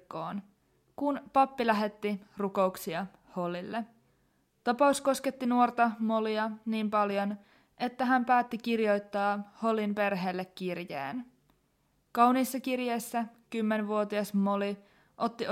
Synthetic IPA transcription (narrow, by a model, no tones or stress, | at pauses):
kːoːn | kunpɑpːilæɦe̞t̪ːiruko̞uksiɑ | ho̞lilːe | t̪ɑpɑusko̞ske̞t̪ːinuo̞rt̪ɑmo̞liɑniːmpɑljo̞n | ʔe̞t̪ːæɦæmpæːt̪ːikirjo̞jt̪ːɑːho̞limpe̞rɦeːlːekːirjḛːn | kɑwniːsːɑkirje̞jsːækymːenʋuo̞t̪iɑsmo̞li | ʔo̞t̪ːi